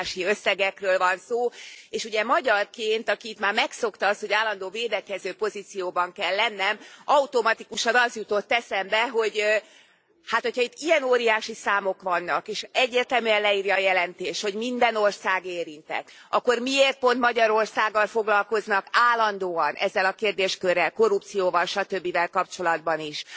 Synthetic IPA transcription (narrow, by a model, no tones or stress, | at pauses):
ʃiøsːɛɡɛkrøːlvɒnsoːeːʃuɟɛmɒɟɒrkeːnt̪ɒkiːt̪maːrmɛkso̞kt̪ɒɒst̪ho̞ɟaːlːɒnd̪oːveːd̪ɛkɛzøːpo̞zit̪sijoːbɒŋkɛlːɛnːɛmɒut̪o̞mɒt̪ikuʃɒnɒzjut̪o̞t̪ːɛsɛmbɛɦo̞ɟ | haːt̪hochɒit̪ːiɛnoːɾijaːʃisaːmo̞kʋɒnːɒkeːʃɛɟːeːrt̪ɛmyɛnlɛiːrjɒːjɛlɛnt̪eːʃho̞ɟmind̪ɛno̞rsaːɡeːɾint̪ɛ̰t̪ | ʔɒkːo̞rmieːrt̪̚po̞nt̪mɒɟɒɾo̞rsaːɡːɒlfo̞ɡlɒlko̞znɒkaːlːɒnd̪oːɒnʔɛ̰zːɛlɒkeːrd̪eːʃkø̞rːɛlko̞rupt̪sijoːvɒlʃɒt̪ø̞bːivɛlkɒp̚t͡ʃo̞lɒd̪̚bɒniʃ